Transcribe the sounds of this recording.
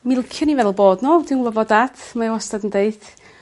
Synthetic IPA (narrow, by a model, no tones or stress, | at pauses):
mɪlˠkʰjʊnivɛlˠboːdnoːdɪnlˠəvɔdatʰmawɔstadəndeɨθ